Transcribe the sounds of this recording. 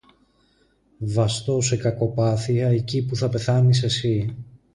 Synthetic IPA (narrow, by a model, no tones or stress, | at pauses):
vɐst̪o̞se̞kɐko̞pɐθiɐecipuθɐpe̞θɐnise̞si